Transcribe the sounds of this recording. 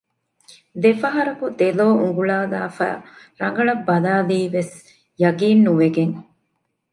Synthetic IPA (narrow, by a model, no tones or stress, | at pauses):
d̪efɐɦɐɾɐkud̪eloːuŋɡuɭaːɡa̰ːfæ̰ː | ɾɐŋ̆ɡɐɭɐbːɐlaːliːʋes | jɐɡiːnːuʋeɡeŋ